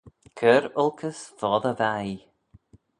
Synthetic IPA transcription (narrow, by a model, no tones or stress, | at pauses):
kʰəɾʊlˠkʰəsfɔːðəvaj